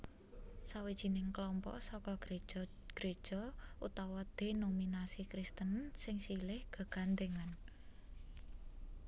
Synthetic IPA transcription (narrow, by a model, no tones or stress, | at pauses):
sawid̥ʒ̥i̤nɪŋklɔmpɔ̰ʔsɔkɔɡ | ɡ̥ɾe̥ʒ̥ɔ̤ut̪awɔd̪̥e̤nominasikɾist̪ənsɪŋsilɪhɡ̥a̤ɡ̥a̤nd̪eŋan